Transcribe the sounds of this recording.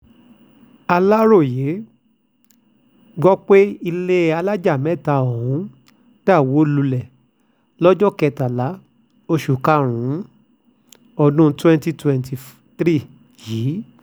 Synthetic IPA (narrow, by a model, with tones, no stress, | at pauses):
a˧la˦ɾo˦˨je˨˦ | ɡɔ˦k͡pe˦i˧le˦a˧la˦d͡ʒa˦˨mɛ̃˨˦˨ta˧o˨hũ˨˦ | ta˦˨wo˨˦lu˧lɛ˨ | lɔ˦d͡ʒɔ˦kɛ˧ta˨la˨˦ | o˧ʃu˨ka˦˨ɾ̃ũ˨˦ | ɔ˧nũ˦˧twɛ̃˦nti˦˨twɛ̃˧nti˨f | tɾi˦˨ | jiː˨˦